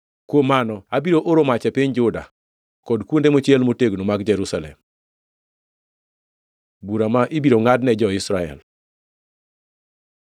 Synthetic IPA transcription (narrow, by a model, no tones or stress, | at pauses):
kwomanɔabiɾoʔoɾomat͡ʃɛpiɲd͡ʒʊda̰ | kɔdkwondemot͡ʃjɛlmoteɡnomaɡd͡ʒɛɾusalɛ̰m | buɾamaʔibiɾoŋadnɛd͡ʒɔɪsɾaɛ̰l